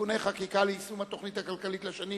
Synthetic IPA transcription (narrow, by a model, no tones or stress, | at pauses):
uneχakikaleisumhat̪o̞χnit̪hakalkalit̪leʃani